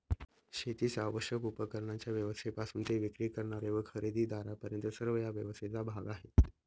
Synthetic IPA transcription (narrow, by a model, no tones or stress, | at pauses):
ɕet̪iːsaʋəɕjəkupəkəɾɳjat͡ɕjaʋjəʋəst̪ʰepasuːnt̪eʋikɾiːkəɾɳaɾeʋəkʰəɾid̪ʱiːd̪aɾapəɾjənt̪əsəɾʋəjaʋjəʋəst̪ʰet͡sabʱaɡaɦet̪